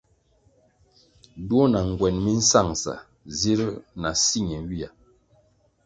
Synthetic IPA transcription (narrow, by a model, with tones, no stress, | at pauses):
dwo˦na˨ŋ˨ɡwɛ˨nmi˦n̩˦sa˦˨ŋsa̰˨ | zi˦ɾna˨si˦˨ɲɛ˨˦wi˦a˨